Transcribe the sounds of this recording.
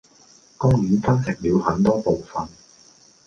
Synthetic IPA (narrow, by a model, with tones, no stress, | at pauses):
kʊ˥ŋjyː˨˥nfɐ˥nsɪ˨˩k̚liː˨˧whɐ˨˥nt̪ɔː˥po˨˩wfɐ˧n